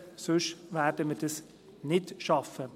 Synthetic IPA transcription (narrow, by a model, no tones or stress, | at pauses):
sʉʃʋæɾdəməd̥əs | nɪdʃɑfə